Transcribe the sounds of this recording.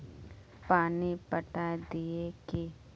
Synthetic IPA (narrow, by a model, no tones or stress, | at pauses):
paːnipəʈad̪ieki